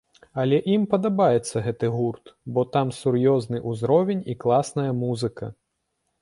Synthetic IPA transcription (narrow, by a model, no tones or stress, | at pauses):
ɐlʲɛʔimpɐd̪abajɛt̪sːɐɣɛt̪ɨɣurt̪bɔt̪amsurjɔznɨʔuzɾɔvʲenʲiklˠasnɐjɐmuzɨkɐ̰